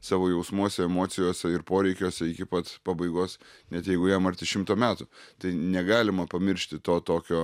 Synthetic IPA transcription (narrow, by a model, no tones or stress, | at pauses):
sɑːʋoːjɛʊsmuɔsʲɛɛmoːt̪sʲɪjoːsʲɛɪɾpoːɾʲɛɪkʲoːsʲɛɪkʲɪpɐt̪pɑbɐɪɡoːsnʲɛt̪jɛɪɡʊjɛmɐɾt̪ʲɪʃʲɪmt̪oːmʲæːt̪ʊt̪ɐɪnʲɛɡɑːlʲɪmɐpɐmʲɪɾʲʃʲt̪ʲɪt̪oːt̪oːkʲoː